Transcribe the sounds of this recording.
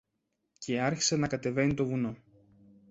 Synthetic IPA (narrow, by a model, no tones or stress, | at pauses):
cʰe̞ɐɾçi̥se̞nɐkɐt̪e̞ve̞nit̪o̞vuno̞